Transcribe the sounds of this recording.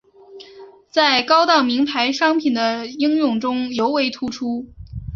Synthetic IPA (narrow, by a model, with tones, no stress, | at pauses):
t͡sa˥˩ɪkɑ˥ʊt̪ɑ˥˩ʊmi˧˥ŋpʰa˧˥ɪʂɑ˥ŋpʰi˨˩nd̪ə˦i˥ŋjʊ˥˩ŋʈ͡ʂʊ˥ŋjo˧˥ʊwe˧˥ɪt̪ʰu˥ʈ͡ʂʰu˥